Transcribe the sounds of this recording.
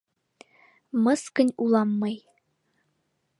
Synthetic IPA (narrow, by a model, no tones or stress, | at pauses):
mɤskə̆nʲulˠɑmːɤj